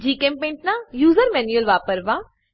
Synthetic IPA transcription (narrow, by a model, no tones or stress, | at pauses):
d͡ʒiːkẽmpẽɳʈnãjuːzəɾmɛːnuəlʋaːpəɾʋaː